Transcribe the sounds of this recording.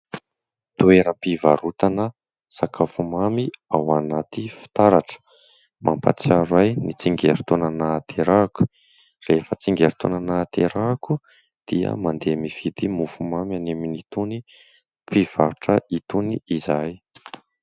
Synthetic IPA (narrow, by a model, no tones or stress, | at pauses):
t̪ueɾəmpivaɾut̪anə | sakafumamiawanat̪ifi̥t̪aɾaʈ͡ʂə̥ | mʔa̰mpa̰t͡siaɾajnit͡siŋɡeɾit̪onanat̪ʰeɾaku̥ | refət͡siŋɡeɾi̥t̪onanat̪eɾaku | d̪̥iə̰mand̪emiv̥id̪imufumamaneminit̪uni | piv̥aɾuʈ͡ʂəit̪uniizaj